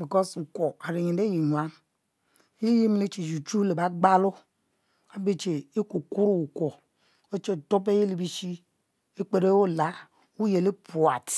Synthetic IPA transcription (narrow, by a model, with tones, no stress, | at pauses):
bi˨kɔ˦su˨ko˨a˨ɾi˨ɲi˨˦e˦ji˨ɲʷ˨a˦n˦ | i˦ji˦m˦le˦t͡ʃi˨d͡ʒu˨t͡ʃu˦le˨ba˨ɡ͡ba˦lo˦ | a˨be˦t͡ʃe˨i˦ku˨ku˦ɾu˦u˨ko˨ | o˦t͡ʃe˦˨to˦p̬e˦je˦li˨bi˦ʃi˦ | e˦k͡pe˨ɾe˦o˦˨la˨˦ | u˦je˨le˦pu˨a˨t